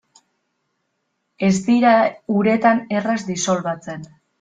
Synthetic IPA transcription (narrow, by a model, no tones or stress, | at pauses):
e̞zd̪iɾauɾe̞t̪ane̞razd̪iso̞lβat͡se̞n